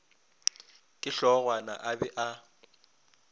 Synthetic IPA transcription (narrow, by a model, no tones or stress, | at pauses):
kʼɪɬɔɣwana̰ʔabɛʔa